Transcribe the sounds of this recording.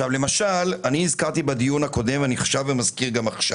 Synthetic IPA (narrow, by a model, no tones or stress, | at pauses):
ʃavle̞maʃalaniːzkaʁt̪ibad̪ijunhako̞d̪e̞mvaniχḁʃavːemazkiʁɡamaχʃa